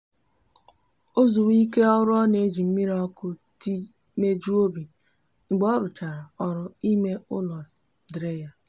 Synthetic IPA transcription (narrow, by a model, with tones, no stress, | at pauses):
o˦zu˨wi˦ke˦ɔ˦ɾʊ˦ɔ˦ne˨e˦d͡ʒi˨m̩˦mi˦ɾɔ˦kʊ˦ti˦ | me˦d͡ʒu˦o˦bi˨ | ŋ͡m̩˨ɡ͡bɔ˦ɾʊ˨t͡ʃa˨ɾa˨ɔ˦˨ɾʊ˦i˦me˦ʊ˦lɔ˨ | dɾe˦ja˦